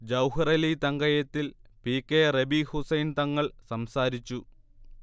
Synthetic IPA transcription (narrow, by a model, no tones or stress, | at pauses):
d͡ʑɐwhɐrɐlit̪ɐŋɡɐjɐt̪ːilpikːerebihusɐjnt̪ɐŋːɐɭsɐmsaːɾit͡ɕːu